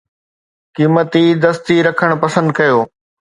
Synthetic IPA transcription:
kiːmət̪id̪ɐst̪iɾɐkʰəɽ̃pɐsə̃nd̪̚kɐjoː

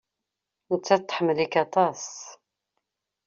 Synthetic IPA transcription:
ʊt͡sːæt̪ːˤħmːəlikɑt̪ˤɑs

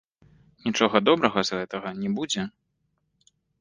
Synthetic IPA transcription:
nʲit͡ʂɔɣɐd̪ɔbɾɐɣɐzɣɛt̪ɐɣɐnʲɛbud͡zʲɛ

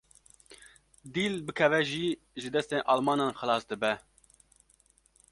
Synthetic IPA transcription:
d̪iːlbɨkʰɛvɛʒiː | ʒɨd̪ɛst̪eːnʔɑːlmɑːnɑːnxɨlɑːsd̪ɨbɛ

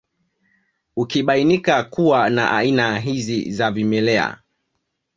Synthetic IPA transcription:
ukiɓainikakuwana̰ʔa̰inaɦizḭzavimɛlɛa̰

